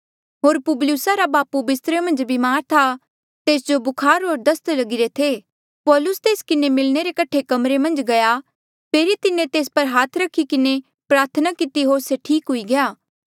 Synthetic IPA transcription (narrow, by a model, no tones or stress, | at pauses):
ɦoːɾpʊbljʊsaɾabaːpubɪst̪ɾemɐ̃nd͡ʒbimaːɾt̪ʰa | t̪eːsd͡ʒobʊkʰaːɾɦoːɾd̪ɐst̪lɐɡɪɾet̪ʰe | pɔːlʊst̪eːskɪnemɪlneɾekɐʈʰekɐmɾemɐ̃nd͡ʒɡɐja | pʰeːɾit̪ɪnẽt̪eːs̬pɐɾɦaːt̪ʰɾɐkʰːikɪne | pɾaːɾt̪ʰənakɪt̪iɦoːɾseʈʰiːkɦʊiɡɐjaː